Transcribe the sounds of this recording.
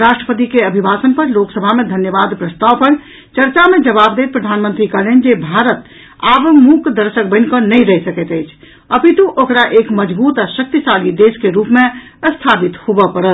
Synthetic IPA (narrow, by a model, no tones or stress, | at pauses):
ɾasʈɾəpət̪̬ikeəbʱibasənpəɾloksəbʱamẽd̪ʱənjəbad̪pɾəst̪awpəɾ | t͡ʃəɾt͡ʃamed͡ʒəβabd̪et̪̚pɾəd̪ʱanmənt̪ɾikəlend͡ʒebʱaɾət̪ | abmukd̪əɾsək̚bə̃nkənəjɾəɦisəkɛt̪əɪt͡ʃʰ | əpit̪uʔokɾaʔekməd͡ʒbut̪asək̚t̪isaɡid̪eskeɾupmeəst̪ʰapit̪hobəpəɾə